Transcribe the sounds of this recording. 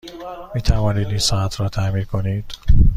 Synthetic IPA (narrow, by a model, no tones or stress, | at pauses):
miːt̪ʰævɒːniːd̪insɒːæt̪ʰɾɒːt̪ʰæmiːɾkʰo̞niːd̪̥